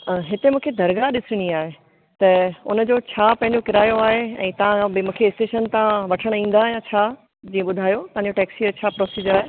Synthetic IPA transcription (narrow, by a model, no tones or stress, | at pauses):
ɦɪt̪emũːkʰed̪ʱɐɾɡaɗɪsɪɽ̃iaːɦe | t̪ɐʊ̰nəd͡ʑoːt͡ɕʰaːpɐ̃ɦɪ̃ɲd͡ʑokɪɾaːjoaːɦeɛ̰̃ːt̪ɐʋ̤ãbɪmũːkʰeɪsʈeːʃənt̪ãʋɐʈʰəɽ̃ĩːn̆d̪aːjãt͡ɕʰa | d͡ʑĩːə̃ɓʊd̪ʱaːjot̪ɐ̃ãɲd͡ʑoʈɛːksiəɾt͡ɕʰaːpɾoːsiːd͡ʑəɾaːɦe